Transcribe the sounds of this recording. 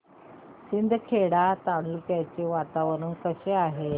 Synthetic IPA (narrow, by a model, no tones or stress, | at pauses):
sind̪ʱkʰeɽat̪aɽulkjajt͡ɕeʋat̪aʋəɾuːnkəɕeaɦe